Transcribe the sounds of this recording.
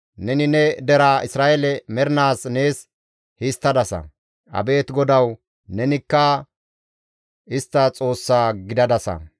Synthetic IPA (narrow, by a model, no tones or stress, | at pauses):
nɛnɪnɛd̪ɛɾaʔɪsɾaːʔɛlɛmɛɾnaːsne̞ːs | hɪst̪ːɐd̪ɐsɐ̰ | ʔɐ̰be̞ːt̪ɡɔd̪ɐw | nɛnɪkːɐ | ɪst̪ːɐt͡sʼo̞ːsːaːɡɪd̪ɐd̪ɐsɐ̰